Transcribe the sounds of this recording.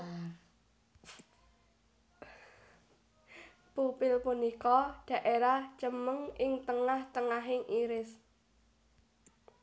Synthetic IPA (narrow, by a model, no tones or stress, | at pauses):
pupɪlpunikɔɖ̥ä̤ʔeɾaht͡ʃəməŋʔɪŋt̪əŋaht̪əŋaɦɪŋʔiɾɪs